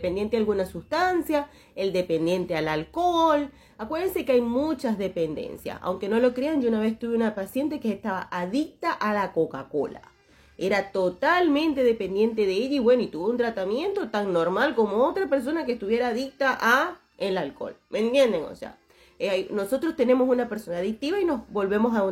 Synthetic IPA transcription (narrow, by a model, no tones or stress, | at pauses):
epend̪je̞nt̪ealɣunasust̪ansja | eld̪e̞pe̞nd̪je̞nt̪ealalkol | akweɾðense̞keajmut͡ʃazðe̞pend̪ḛnsja̰sa̰wŋke̞no̞lo̞kɾeand͡ʒounaβest̪uβeunapasje̞nt̪e̞keːst̪aβaʔaðik̚t̪aʔalako̞kako̞̰la̰ | e̞ɾat̪o̞t̪almẽ̞nt̪e̞ðe̞pe̞nd̪je̞nt̪e̞ðeeʎaiβwe̞noit̪uβount̪ɾat̪amje̞nt̪o̞t̪aŋno̞ɾmalko̞moot̪ɾape̞ɾs̬o̞nak̬est̪uβje̞ɾaːðik̚t̪aʔa | elalko̞̰lmʔent̪je̞nd̪eŋo̰sḛa̰ | ajno̞so̞t̪ɾost̪ene̞mos̬unapeɾso̞naːðik̚t̪iβaino̞zbo̞lβemo̞sa